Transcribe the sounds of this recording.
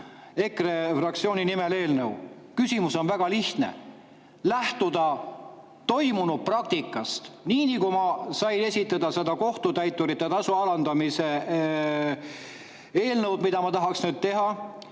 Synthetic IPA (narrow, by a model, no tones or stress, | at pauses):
e̞krefrɑk̚t̪sio̞ːninimele̞ːlnəw | kysʲimuso̞nvæɡ̥ɑliht̪nḛ | læht̪ud̪̥ɑ | t̪o̞jmunud̪̥̚prɑk̚t̪ikːˑɑst̪niːnikumɑsɑjne̞sʲit̪ːˑɑd̪ɑse̞d̪ɑko̞ht̪ut̪æjt̪ːˑuɾit̪ːet̪ɑsuɑlɑnd̪ɑmise | e̞ːlnəwd̪mid̪ɑmɑt̪ɑɦɑksnyːd̪̚t̪e̞ɦɑ